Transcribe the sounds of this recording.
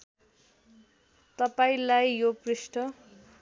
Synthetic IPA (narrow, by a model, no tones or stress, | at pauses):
t̪ʌpaĩlajjoprisʈʌ